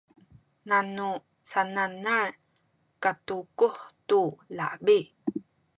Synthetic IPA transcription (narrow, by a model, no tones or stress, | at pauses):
nanu | sananaɹ | katukuχtula̰bi